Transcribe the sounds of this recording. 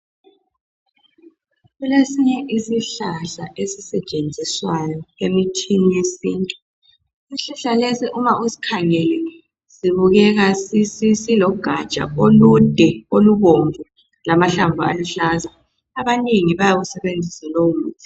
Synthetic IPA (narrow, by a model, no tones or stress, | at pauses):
ɣulesiɲɛʔisiɬaɬaʔesisɛt͡ʃʼend͡zʱiswajɔemitʰinijesiːntʼu | iɬuɬalesiʔumaʔuzikʰaŋɛlɛ | ziβuɣɛɣasisisilɔɡ̥ʱḁt͡ʃʼa̰olud̥ʱɛoluβoɱvu | lamaɬaɱvʱua̰luɬaːza | aβaniŋiβajaɣusɛβend͡zʱisɛlowumuːtʰi̥